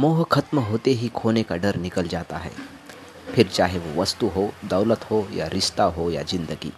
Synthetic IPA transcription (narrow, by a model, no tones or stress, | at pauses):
moːɦkʰɐt̪mɦoːt̪eɦikʰoːnekaɖɐɾnɪkəld͡ʒaːt̪a̰ɦɛ̰ː | pʰɪɾt͡ʃaːɦeʋoʋɐst̪uɦod̪ɐʊlət̪ɦoja̰ɾɪʃt̪aɦoja̰d͡ʒɪ̃nd̪əɡḭː